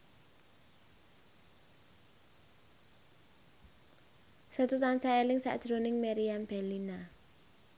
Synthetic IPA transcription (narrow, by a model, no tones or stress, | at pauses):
sət̪ut̪ant͡ʃaalɪŋsa̰ʔd̥ʒ̥ɾonɪŋmɛɾiamb̥ɛlina